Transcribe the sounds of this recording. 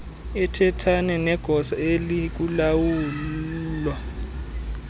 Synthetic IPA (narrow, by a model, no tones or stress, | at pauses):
ɛtʰɛtʰanɛnɛɡ̥ʱɔsaelik̬ulawuːlːlwa